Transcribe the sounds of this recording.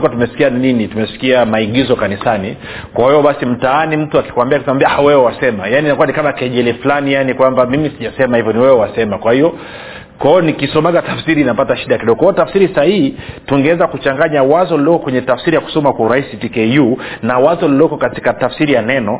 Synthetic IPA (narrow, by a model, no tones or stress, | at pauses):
kwatumɛsi̥kianinitumɛsi̥kiamaiɠizɔkanisani | kwahijɔɓasim̩taanim̩tuaki̥kwambiakisɛmambiawɛwɛwasɛmajaninakuwanikamakɛʄɛlɛflanijanikwambamimisiʄasɛmahivjɔniwɛwɛwasɛmakwahiɔ | kwaiɔnikisɔmaɡatafsiɾiːnapataʃiɗaakiɗɔɡɔkwijɔtafsiɾisahihituŋɡɛwɛzakut͡ʃaŋɡaɲawazɔlilɔkɔkwɛɲɛtafsiɾijaku̥sɔmakwauɾaisitikɛjunawazɔlilɔkɔkati̥katafsiɾijanɛnɔ